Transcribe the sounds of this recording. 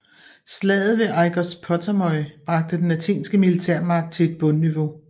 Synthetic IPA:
slɛ̰ːð̩ˠʋe̝ʔɑ̈ɪɡ̥ɒspʰɒt͡sʰæmɒ̽ɪb̥ʁɑ̈ɡ̥̚d̥əd̥enlæt͡sʰe̝̰ːnsɡ̥əmilit͡sʰeɐ̰mɑ̈ɡ̥̚d̥̚t͡sʰe̝e̝d̥̚b̥ɔ̽nːiʋo̝

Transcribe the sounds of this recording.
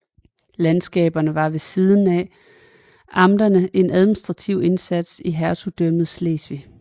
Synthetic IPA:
lænsɡ̥ɛ̰ːb̥ɐnəʋɑ̈ʋe̝siːð̞ˠn̩ɛ | ʔɑ̈md̥ɐnəʔe̝næð̞ˠminisd̥ʁɑ̈t͡sʰiʊe̝nsæd̥siɦæɐt͡sʰud̥œm̰ð̞̩ˠsle̝̰ːsʋi

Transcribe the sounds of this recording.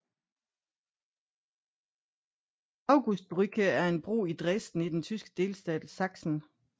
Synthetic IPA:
ɑ̈ʊɡ̥usd̥̚b̥ʁyɡ̥ʰəæɐe̝nb̥ʁṵːid̥ʁɛsd̥n̩id̥ent͡sʰysɡ̥ə̥d̥e̝ːlsd̥ɛ̰ːd̥sɑ̈ɡ̥sn̩

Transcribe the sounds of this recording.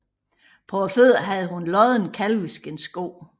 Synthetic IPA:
pʰɒɒføð̰ˠɐɦæð̩ˠɦunlɒð̩ˠnkʰælʋisɡ̥ensɡ̥o̝̰ː

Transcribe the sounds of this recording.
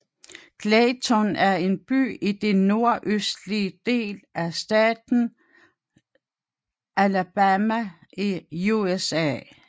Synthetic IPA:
kʰlɛːt͡sʰonæɐe̝nb̥y̰ːid̥e̝nːo̝ɐʔøsd̥liəd̥e̝̰ːlʔæsd̥ɛ̰ːd̥n̩ | ʔælæb̥æmæ | iuesɛ̰

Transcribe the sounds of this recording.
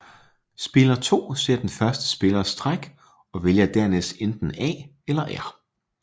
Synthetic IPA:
sb̥e̝lɐt͡sʰo̝̰ːse̝ɐ̰d̥enfɶɐsd̥ə̥sb̥e̝lɐsd̥ʁaɡ̥ | ɒ̽ʋe̝ljɑd̥æɐ̰nesd̥end̥n̩ɛ̰ː | elɐʔæɐ̰

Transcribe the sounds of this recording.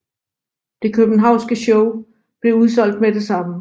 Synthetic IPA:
d̥e̝kʰøb̥n̩ɦɑ̈ʊ̰nsɡ̥əɕɔʊ | b̥le̝uð̞ˠsɒ̽l̰d̥mede̝sɑ̈mə

